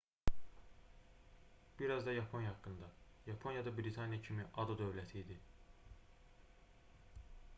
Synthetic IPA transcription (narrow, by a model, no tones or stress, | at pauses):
b̥iɾɑzd̪ɑjɑpʰo̞njɑhɑkːɯnd̪ɑ | jɑpʰo̞njɑd̪ɑbɾit̪ʰɑnjɑcʰimiʔɑd̪od̪ø̞vlæt̪ʰiːd̪i